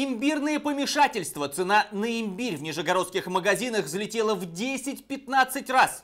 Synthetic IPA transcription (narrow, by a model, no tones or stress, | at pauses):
ɪmʲbʲirnɨjəpəmʲɪʂatʲɪlʲst̪vət̪sɨnanəɪmʲbʲiɾʲvnʲɪʐəɡɐɾo̞t̪skʲɪxməɡɐzʲinəxzəlʲɪtʲelˠəvdʲesʲɪtʲpʲɪt̪nat̪sɨtʲras